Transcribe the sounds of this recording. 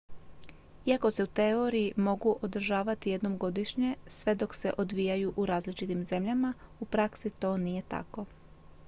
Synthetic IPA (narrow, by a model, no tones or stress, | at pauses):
iako̞se̞ut̪eo̞ɾijimo̞ɡuʔo̞d̪ɾ̩ʒaːʋat̪ije̞d̪no̞mɡo̞d̪iʃɲe̞sʋe̞d̪o̞kse̞ʔo̞d̪ʋijajuʔuɾaːzlit͡ʃit̪imze̞mʎamaupɾaksit̪o̞ːnije̞t̪a̰ko̞